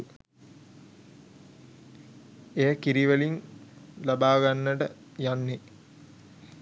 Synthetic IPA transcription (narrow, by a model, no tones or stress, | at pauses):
ejəkiɾiʋəlinlabaːɡanːəʈə | janːe